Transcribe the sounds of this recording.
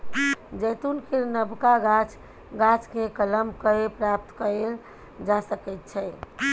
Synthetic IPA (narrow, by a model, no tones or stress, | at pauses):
d͡ʒəjt̪unkʰeɾnəbkaɡat͡ʃ | ɡat͡ʃkekələmkəepɾap̚t̪kəel | d͡ʒasəkɛt̪̚t͡ʃʰɛ